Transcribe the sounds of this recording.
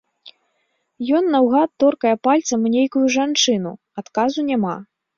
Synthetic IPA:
jɔnːɐwɣat̪ːɔrkɐjɛpalʲt̪sɐmnʲejkujuʐant͡ʂɨnu | at̪kazunʲama

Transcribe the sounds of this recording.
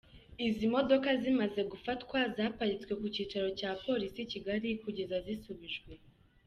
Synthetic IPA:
izimo̞do̞kazimaze̞ɡufatkwazaːpaɾit͡swe̞kuciːt͡ʃaɾo̞caːpo̞ɾisiciɡaɾikuɟe̞zazisuβiʒɡwe̞

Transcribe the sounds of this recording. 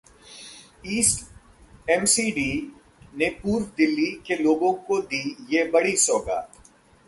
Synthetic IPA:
iːsʈ | ɛmsiːɖiː | nepuːɾʋd̪ɪlːikeloːɡõkod̪iːjebɐɽisoːɡa̰ː

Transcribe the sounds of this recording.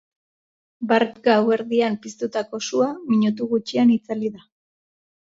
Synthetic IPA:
baɾpɡawe̞ɾðiampist̪ut̪ako̞suamiɲut̪̬uɣut͡ʃianit͡saliða

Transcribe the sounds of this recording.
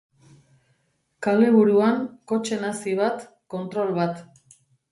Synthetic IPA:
kale̞βuɾuaŋko̞t͡ʃe̞nasiβ̞at̪ | ko̞nt̪ɾo̞lβat̪

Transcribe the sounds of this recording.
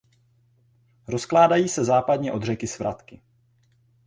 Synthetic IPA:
ɾo̞sklaːdajiːsɛzaːpadɲɛʔo̞d̪r̝ɛkɪsvɾʔat̪kɪ

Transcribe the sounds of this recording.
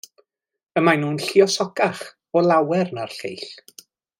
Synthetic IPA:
əmajnuːnɬiɔsɔɡaχ | ɔlˠawɛrnarɬḛjɬ

